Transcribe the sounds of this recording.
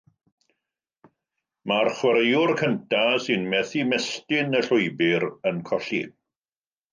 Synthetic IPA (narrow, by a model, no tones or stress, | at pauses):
marχwəɾejʊrkʰəntʰasɪnmɛθimɛstɪnəɬʊjbɪɾənkʰɔɬḭ